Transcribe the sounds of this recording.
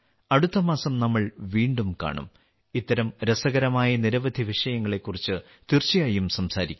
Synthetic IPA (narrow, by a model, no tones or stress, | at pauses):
ɐɽut̪ːɐmaːsɐmnɐmːɐɭʋiːɳɖumka̰ːɳṵm | it̪ːɐɾɐmɾesɐɣɐɾɐmaːjɐniɾɐʋɐd̪ʱiʋiʂɐjɐŋːɐɭe̞kːurit͡ɕːɨ | t̪irt͡ɕːijaːjumsɐmsaːɾikʲː